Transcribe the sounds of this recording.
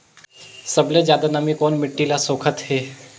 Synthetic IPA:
səblezjaːd̪anəmikɔːnmɪʈːilasoːkʰət̪ɦeː

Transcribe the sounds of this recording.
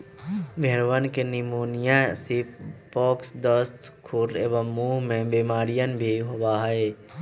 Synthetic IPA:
bʱeɾʋənkenɪmuːnɪjãsipɔːksd̪əst̪kʰuɾeːʋəmːuːɦmẽbimaːɾijənbʱiɦobaɦəe

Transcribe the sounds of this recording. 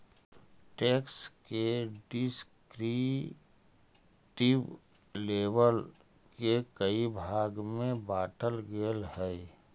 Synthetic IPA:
ʈeːkskeɖɪskɾi | ʈɪb | leːʋəl | kekəibʱaːɡmẽbaːʈəlɡeːlɦɛː

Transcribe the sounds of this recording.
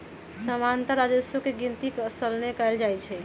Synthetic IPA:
səmant̪əɾad͡ʒəsokeɡint̪ikəsəlnekald͡ʒajt͡ʃʰɛ

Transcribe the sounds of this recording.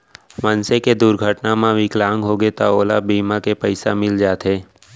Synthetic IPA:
mənseked̪ʊɾɡʱəʈnamãʋɪklaːŋɡɦoɡet̪aoːlabiːmakepəɪsamɪld͡ʒaːt̪ɦeː

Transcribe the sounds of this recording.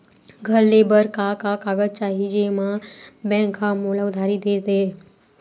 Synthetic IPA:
ɡʱəɾlebəɾkakakaɡəd̚t͡ʃaɦid͡ʒemãbɛ̃ŋkʰãmolaud̪ʱaɾid̪et̪e

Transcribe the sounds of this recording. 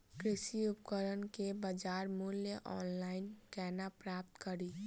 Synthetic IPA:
kɾisiupkəɾənkebəd͡ʒaɾmuljəʔɔnlainkɛnapɾap̚t̪kəɾi

